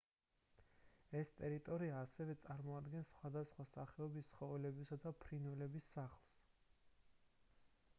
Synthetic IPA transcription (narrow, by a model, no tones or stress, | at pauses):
ɛst̪ʼɛɾit̪ʼɔɾiaːsɛvɛt̪sʼaɾmɔad̪ɡɛnsːχwad̪asχwasaχɛɔbist̪sʰχɔvɛlɛbisad̪apʰɾinwɛlɛbisːaχlˠs